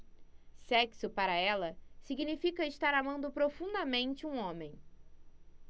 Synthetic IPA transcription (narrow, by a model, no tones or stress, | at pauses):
sɛksʊpaɾɐɛlɐsiɡinifikɐɪʃt̪aɾamɐ̃nd̪ʊpɾofũnd̪ɐmẽnt͡ʃɪũõmẽj̃